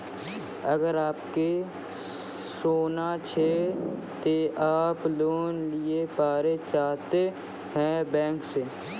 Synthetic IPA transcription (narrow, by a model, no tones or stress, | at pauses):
əɡəɾaːpke | soːnat͡ʃʰe | t̪eʔaːploːnlɪepaːɾet͡ʃaːɦt̪e | hɛ̃bɛ̃ːŋkseː